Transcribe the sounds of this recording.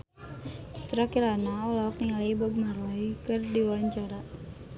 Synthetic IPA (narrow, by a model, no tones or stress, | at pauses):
su̥t̪ɾakiɾanaɔlɔk̚niŋaliibɔb̚marɔikɨrdiwaɲt͡ʃaɾa